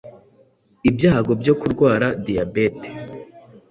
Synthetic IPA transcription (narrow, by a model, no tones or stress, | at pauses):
ibjaːɡo̞bjo̞kuɾɡwaːɾadijabete̥